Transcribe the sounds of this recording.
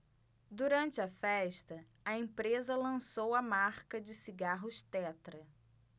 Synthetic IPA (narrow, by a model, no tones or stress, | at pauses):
d̪uɾɐ̃nt͡ʃɪɐfɛʃt̪ɐ | ɐẽpɾezɐlɐ̃sowɐmaɾkɐd͡ʒɪsiɡaɦʊʃt̪ɛt̪ɾɐ